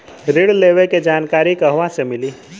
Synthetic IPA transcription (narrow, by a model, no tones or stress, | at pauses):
ɾɪɽleːʋeked͡ʒaːnkaːɾikəɦʋãsemɪliː